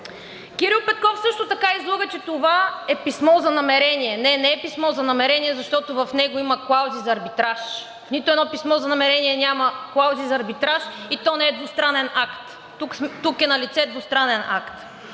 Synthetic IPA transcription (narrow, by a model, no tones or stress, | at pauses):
kʲiɾilˠpɛt̪̚kɔfsɤʃt̪ot̪ɐkaizlˠuɣət͡ʃɛt̪ovaɛpismɔzɐnɐmɛɾɛniɛnɛnɛɛpismɔzɐnɐmɛɾɛniɛzɐʃt̪ɔt̪ovɐfnɛɡoimɐklˠawzizɐːɾbit̪ɾaʃ | nit̪ʊɛnɔpismɔzɐnɐmɛɾɛniɛnʲamɐklˠawzizɐːɾbit̪ɾaʃit̪ɔnɛɛd̪vʊst̪ɾanɛnakt̪ː | ukt̪ukɛnɐlit̪sɛd̪vʊst̪ɾanɛna̰kt̪